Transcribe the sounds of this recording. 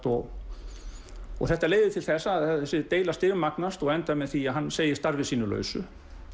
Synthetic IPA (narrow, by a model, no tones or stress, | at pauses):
t̪ɔɣ | ɔ̰ɣθɛht̪aleːjðɪt̪ʰɪlθɛsːaðɛɛsɪt̪eːjlast̪ɪɾmaknast̪ɔɣɛnt̪amɛðθiaðɦanːseːjɪ̥st̪aɾvɪsiːnʏlœ̰ːɥsʏ